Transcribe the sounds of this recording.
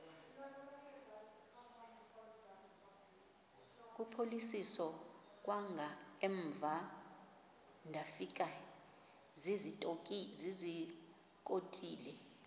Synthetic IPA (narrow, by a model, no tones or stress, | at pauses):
k̬ʼupʰolisisɔ | k̬ʼwaŋɡʱaɛɱb̪va | ndʱafik̬a | zizi | k̬ʼotʰʼiːlɛ